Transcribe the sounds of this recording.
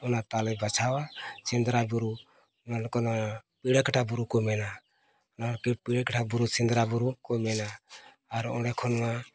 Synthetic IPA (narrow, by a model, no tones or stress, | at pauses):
ɔnat̪alɛbat͡ʃʰawat͡ʃɛnd̪ɾabuɾu | nakɔnapiɽɛkaʈʰabuɾukɔmɛna | ɔnaɔkɛpiɽɛkaʈʰabuɾusɛnd̪ɾabuɾukɔmɛnaː | ɾɔ̰ɖɛkʰɔnwa